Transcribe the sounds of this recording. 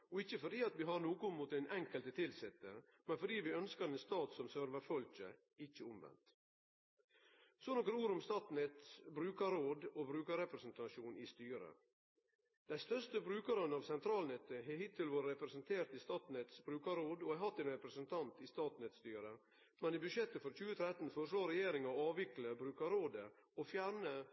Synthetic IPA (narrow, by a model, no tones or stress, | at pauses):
ɔɪçːəfɔɖ̪iːɑt̪ʋiːɦɑnuːkʊmuːt̪ænʔɛŋkəlt̪ət̪ʰɪlsɛt̪ːə | mɛnfɔɖiːʋɪœnskəɾɛnst̪ɑːt̪sɔmsœɾʋəfɔlçə̰ | ɪçːəʊmʋɛ̰nt̪ | sɔnɔkəɾuːɾʊmst̪ɑːt̪nɛt̪bɾʉːkəɾoːd̪obɾʉːkəɾɛpɾəsənt̪ɑʃuːnɪːst̪yːɾə̰ | d̪̥æɪst̪œʂt̪əbɾʉːkəɾənəɑːʋsɛnt̪ʰɾɑːlnɛt̪ːəɦɛhɪt̪ʰːɪlʋoːɾəɾɛpɾɛsənt̪ʰeːɾt̪iːst̪ɑːt̪n̩ɛt̪sbɾʉːkɑɾoːd̪oːɛhɑt̪ːɛːnɾɛpɾɛsənt̪ʰɑnt̪iːst̪ɑːt̪n̩ɛt̪st̪yːɾə | mɛniːbʉʃjɛt̪ːəfɔɾc͡çʉːət̪ʰɾɛt̪n̩fɔɾʂloːɾɛjeːɾɪŋɑɑːʋɪkləbɾʉːkɑɾoːd̪əoːfjæɾɳə